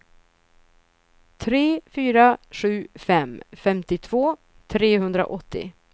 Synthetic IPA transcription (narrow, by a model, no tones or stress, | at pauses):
t̪ʰɾeːfyːɾaɧʉ̟ːfɛmfɛmt̪ɪt̪ʰv̥oː | t̪ʰɾeːɦɵnd̪ɾa̰ʔɔt̪ʰːɪ̰